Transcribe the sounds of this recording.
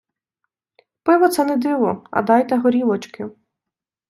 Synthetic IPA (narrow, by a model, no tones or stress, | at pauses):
pɪʋɔt̪sɛnɛd̪iʋɔɐ̰d̪ɑjt̪ɛɦɔɾʲiʋɔt͡ʃkɪ